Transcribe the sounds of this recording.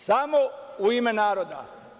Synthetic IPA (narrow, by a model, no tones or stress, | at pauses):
samouimenaːɾod̪a̰